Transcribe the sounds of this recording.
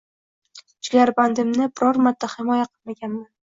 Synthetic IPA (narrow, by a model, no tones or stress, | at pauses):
d͡ʒɪɡʲaɾband̪ɪmnɪbɪɾɒɾmad̪ːahɪmɒjaqʰɨlˠmaɡʲanman